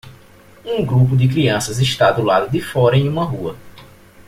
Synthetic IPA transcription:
ũɡɾup̬ʊd̪ɪk̬ɾiɐ̃sɐzɪʃt̪ad̪ʊlad̪ʊd̪ɪfɔɾɐẽj̃ũmɐɦuɐ

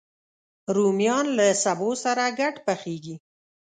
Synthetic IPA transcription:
ɾumjɑnlasabosaɾaɡaʈpaxeɡi

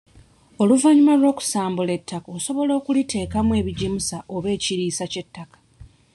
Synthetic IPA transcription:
o̞luvaɲimalwo̞ːku̥saːmbule̞tːakaoso̞βo̞lo̞ːkulite̞ːkamwe̞ːβiɟimusaʔo̞βe̞ːciɾiːsace̞tːakḁ

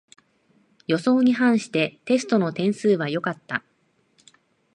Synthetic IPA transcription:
jo̞so̞ːɲ̟iɦãɰ̃ɕi̥t̪e̞t̪e̞sɨ̥t̪o̞no̞t̪ẽ̞ɰ̃sɨːβajo̞kat̪ːa

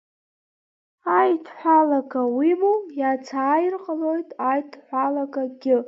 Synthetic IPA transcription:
ajtʰħʷalaɡawimujat͡sʰaːjɪrqʼalojtʼajdʰħʷalaɡaɡʲɪ

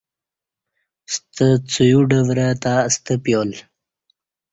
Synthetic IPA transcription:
st̪ət͡sujuɖəvɾat̪ast̪əpjol

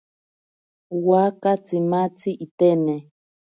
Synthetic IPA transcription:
wakat͡simat͡siʔitɛnɛ

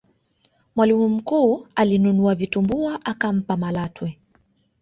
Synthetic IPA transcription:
mwalimum̩kuːalinunuavitumbuaʔakam̩pamalatwɛ

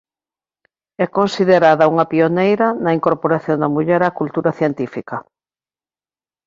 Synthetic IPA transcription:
ɛkonsiðeɾaðɐuŋɐpionejɾɐnɐiŋkoɾpoɾaθjond̪ɐmuʎɛɾakult̪uɾɐθjent̪ifikɐ

